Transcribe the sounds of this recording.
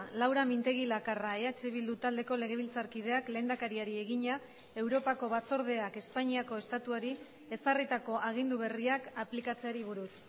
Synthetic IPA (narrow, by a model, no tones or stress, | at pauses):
lawɾamint̪e̞ɣ̞ilakaraeat͡ʃeβild̪ut̪ald̪e̞ko̞le̞ɣ̞e̞β̞ilt͡saɾkið̞e̞akle̞ːnd̪akaɾiaɾie̞ɣiɲa | e̞wɾo̞pako̞βat͡so̞ɾð̞e̞ake̞spaɲiako̞e̞st̪at̪uaɾi | e̞sarit̪ako̞ʔaɣ̞ind̪uβe̞riakaplikat͡se̞aɾiβ̞uɾus